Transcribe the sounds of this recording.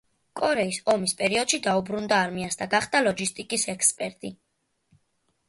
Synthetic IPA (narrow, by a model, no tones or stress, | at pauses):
kʼɔɾɛisɔmispʼɛɾiɔd̪̥ʃid̪aubɾund̪aːɾmiansd̪aɡaχd̪̥alˠɔd͡ʒist̪ʼikʼisɛkʰspʼɛɾt̪ʼi